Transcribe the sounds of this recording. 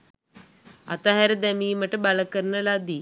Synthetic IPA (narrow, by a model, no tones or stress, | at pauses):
a̰t̪aɦæɾəd̪æmiːməʈəbaləkəɾənəlad̪i